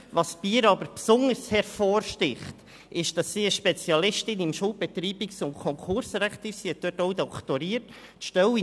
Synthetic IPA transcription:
vɑsb̥iːɾɑbəɾpsʊnəɾshɛɾfoːɾʃtɪχt | ʔɪʃd̥ɑsːiːəʃpet͡sjɑlɪʃtɪnɪmʃulb̥ɛt̪ɾiːbiksʊnkʰɔŋkʰʊɾsɾɛχtɪʃsiːhɛt̚d̥øːtoʊdɔktoɾiːətʃtɛw

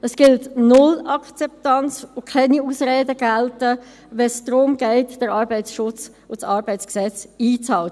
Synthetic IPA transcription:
əsɡ̥ɪltnʊlɑkt͡sɛp̚tɑnt͡sʊkʰɛniusɾeːdəɡ̥ɛltə | ʋɛsʃtɾoːmɡɛɪtd̥əɾɑːɾbɛɪt͡sʃʊt͡s | ʊsɑːɾbɛɪt͡sksɛt͡siːt͡sɑːlt

